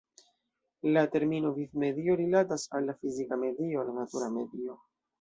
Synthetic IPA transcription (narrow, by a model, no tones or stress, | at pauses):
late̞ɾmino̞vifme̞dio̞ɾilatasalːafizikame̞dio̞lanatuɾame̞dio̞